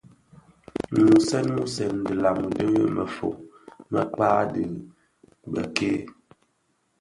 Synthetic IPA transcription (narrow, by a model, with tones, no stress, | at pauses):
mu˨sɛ˦nmu˦sɛ˨n˨də˨la˨m˨də˦ɣə˦mə˨fo̰˨ | mə˦k͡paː˦də˨ | bə˨ke˦